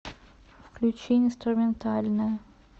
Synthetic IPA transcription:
fklʲʉt͡ɕenʲɪnst̪ɾʊmʲɪnt̪alʲnəjə

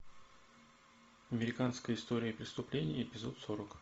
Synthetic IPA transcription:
ɐmʲɪɾʲɪkanskəjəɪst̪o̞ɾʲɪjəpɾʲɪst̪ʊplʲenʲɪjəɪpʲɪzo̞t̪so̞ɾək

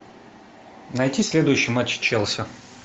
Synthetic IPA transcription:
nɐjtʲisʲlʲed̪ʊjʊɕːɪjmat͡ɕːt͡ɕelˠsʲə

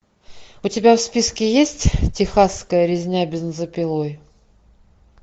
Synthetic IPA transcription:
ʊtʲɪbʲafspʲiskʲɪjesʲtʲtʲɪxasːkəjəɾʲɪzʲnʲabʲɪznəzəpʲɪlˠoj

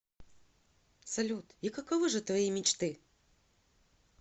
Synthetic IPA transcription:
sɐlʲut̪ikɐkɐvɨʐɨt̪vɐjimʲɪt͡ɕt̪ɨ

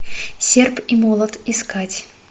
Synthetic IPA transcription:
sʲerpimɔlˠət̪iskatʲ

